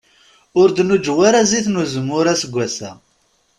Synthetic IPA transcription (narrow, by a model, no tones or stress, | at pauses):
ʊɾd̪nud͡ʒwaɾaziθnuzəmːʊɾasəɡʷːæsæ̰